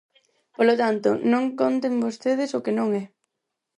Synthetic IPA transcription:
polot̪ant̪ʊnõŋkont̪eŋbost̪eð̞ɪsʊkenõŋɛ

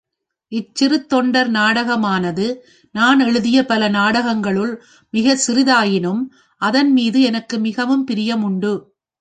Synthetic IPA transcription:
ɪt͡ʃːɪɾɯt̪ːɔɳɖɐɾnaːɽɐɣɐmaːnɐðɯ | naːnɛɻɯðɪjɐpɐlɐnaːɽɐɣɐŋɡɐɭɯɭ | mɪɣɐsɪɾɪðaːjɪnɯm | ʔɐðɐnmiːðɯɛnɐkːɯmɪɣɐʋɯmpɪɾɪjɐmʊɳɖɯ

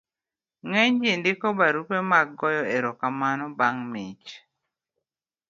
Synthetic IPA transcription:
ŋɛɲd͡ʒɪndɪkɔbaɾupemaɡɔjɔeɾɔkamanɔbaŋmit͡ʃ

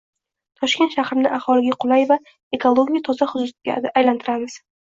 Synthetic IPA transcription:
t̪ʰɒʃkʲe̞nt̪ʃahɾɪnɪʔahɒlɪɡʲaqʰʊlˠajva | e̞kʰolˠːoɡʲijat̪ʰɒzaχʊzʊst̪ɡʲːjlant̪ʰɪɾamɪz̥

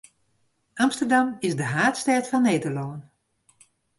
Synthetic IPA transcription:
amstədamɪzdəɦaːtstɛtfɔnːeːdəlɔən

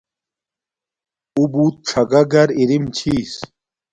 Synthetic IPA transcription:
ubuːt̪̚ʈ͡ʂʰɐɡɐɡɐɾiɾimt͡ɕʰiːs

